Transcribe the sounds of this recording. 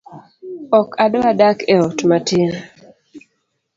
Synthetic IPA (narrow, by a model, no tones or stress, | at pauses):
ɔkadoadakɛɔtmatʰɪn